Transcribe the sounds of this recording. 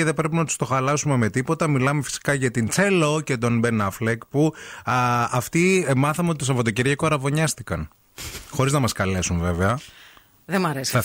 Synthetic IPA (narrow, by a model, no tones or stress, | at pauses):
eðe̞bɾe̞pinɐt̪u̥st̪o̞xɐlɐsumeme̞t̪ipo̞t̪ɐmilɐme̞fi̥si̥kɐʝɐt̪int͡seloce̞t̪o̞nbenɐflekpu | ɐft̪imɐθɐmeot̪it̪osɐfot̪oceɾʝɐkoɐɾɐvo̞ɲɐst̪ikɐn | xo̞ɾiznɐmɐskɐle̞sunve̞veɐ | ðemɐɾesɐ